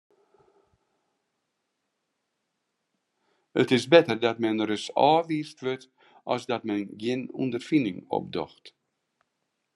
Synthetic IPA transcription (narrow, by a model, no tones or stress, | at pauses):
ətɪsbɛtərdɔtmɛnɾɪsɔːʋiːstʋøt | ʔɔsdɔtmɛnɡjɪnṵndərfinɪŋɔ̰b̚dɔ̰xt